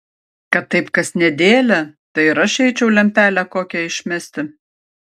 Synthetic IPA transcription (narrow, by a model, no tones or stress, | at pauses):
kɐt̪ːɐɪpkɐsnʲɛd̪ʲeːlʲɛt̪ɐɪɪɾɐʃʲɛɪt͡ʃʲɛʊlʲɛmʲpʲæːlʲækoːkʲɛɪʃʲmʲɛsʲt̪ʲɪ